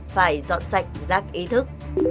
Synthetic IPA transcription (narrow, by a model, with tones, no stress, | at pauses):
faː˧˩jzɔ̰˧˨nsa˨˩jk̟̚zaː˦˥k̚ʔi˨˦t̪ʰɨ˦˥k̚